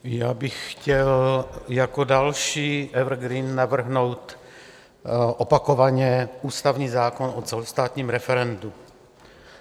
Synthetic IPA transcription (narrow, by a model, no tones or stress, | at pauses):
jaːbɪxxcɛljakodalʃiːʔɛvr̩ɡɾinːavr̩ɦnowt̪ | ʔopakovaɲɛʔuːst̪avɲiːzaːkonʔot͡sɛlost̪aːt̪ɲiːmɾɛfɛɾɛndu